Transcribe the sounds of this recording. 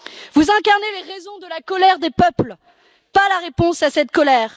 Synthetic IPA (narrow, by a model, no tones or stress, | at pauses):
vuzɛ̃kaʁneleʁezɔ̃d̪əlakɔlɛʁd̪epœpl | palaʁepɔ̃sasɛt̪kɔlɛːʁ